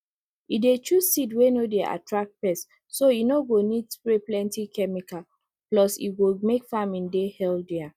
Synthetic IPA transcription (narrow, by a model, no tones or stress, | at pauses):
idet͡ʃusidwenodeʔa̰tɹak̚t̚pɛsː | oinoɡonidsɹeplɛ̃ntikʰɛmika | plɔsḭɡumekfamĩndehɛldɛa